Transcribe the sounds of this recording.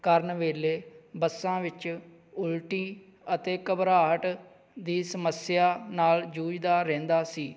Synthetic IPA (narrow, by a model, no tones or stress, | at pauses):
kəɾnʋeːleːbəsːãːʋɪt͡ʃ | ʊlʈiː | ət̪eːkəbɾaːɦəʈ | d̪iːsəməsjaːnaːld͡ʒuːd͡ʒd̪aːɾɛ̃ːnd̪aːsiː